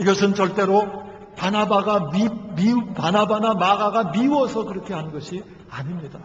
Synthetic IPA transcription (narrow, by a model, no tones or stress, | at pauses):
iɡʌsʰɯnt͡ɕʌɭt͈e̞ɾo | panabaɡamimipanabanamaɡaɡamiwʌsʰʌkɯɾʌkʰe̞ɦannɡʌɕʰi | aɲimɲida